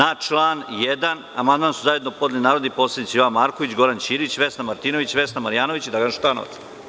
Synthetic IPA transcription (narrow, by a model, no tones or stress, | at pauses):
at͡ʃlˠaːnjed̪an | amand̪mansuzaje̞d̪nopo̞d̪ilinaːɾod̪ipo̞ːsled̪itsejoʋanmaːɾkoʋit͡ɕɡo̞ɾant͡ɕiːɾit͡ɕʋe̞snamaɾt̪iːnoʋit͡ɕʋe̞snamaɾijaːno̞ʋit͡ɕid̪aɡanʃt̪ano̰ʋa̰t̪s